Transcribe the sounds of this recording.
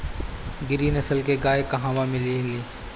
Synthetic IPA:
ɡɪɾiːnəsəlkeɡaːekəɦãːʋãːmɪliliː

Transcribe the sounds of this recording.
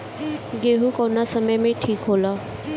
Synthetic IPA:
ɡeɦukɔwnasʌmʌjmẽʈʰikɦolʌ

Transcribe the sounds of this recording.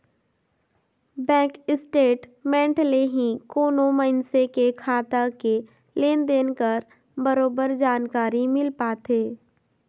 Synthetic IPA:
bɛ̃ːkɪsʈeːʈmɛ̃ːɳʈleɦĩkoːnoməɪnsekekʰaːt̪ake | leːnd̪eːnkəɾ | bəɾoːbəɾd͡ʒaːnkaːɾimɪlpaːt̪eː

